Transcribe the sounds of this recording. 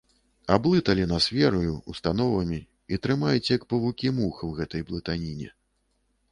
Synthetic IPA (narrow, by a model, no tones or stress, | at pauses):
ablˠɨt̪ɐlʲinɐsʲfʲɛɾujuust̪an̪ɔvɐmʲi | it̪ɾɨmajut͡sʲjɐkpɐvukʲimuxɐwɣɛt̪ɐjblˠɨt̪anʲinʲɛ̰